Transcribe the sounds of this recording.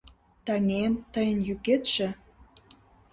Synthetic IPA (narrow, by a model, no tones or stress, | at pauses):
t̪ɑnʲemt̪əjənjyket̪ʃĕ